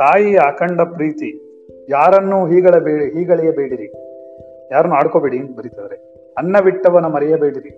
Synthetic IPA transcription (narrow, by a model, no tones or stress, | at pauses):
t̪aːjiaːkɐɳɖɐpɾiːt̪i | jaːɾɐnːuɦiːɡɐɭɐbeːɽiɦiːɡɐɭɛjɐbeːɽiɾi | jaːɾɐnːuaːɽkoːbeːɽibɐɾit̪ɐd̪ɐɾe | ɐnːɐʋiʈːɐʋɐnːumɐɾɛjɐbeːɽiɾi